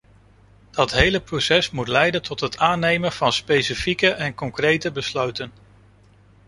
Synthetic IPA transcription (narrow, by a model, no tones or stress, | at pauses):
d̥ɑtɦejləprowsɛsmutlɛjdəntɔtɦətʰaːnejmənv̥ɑnspejsifikəʔɛnkɔŋkrejtəbəslœɥtən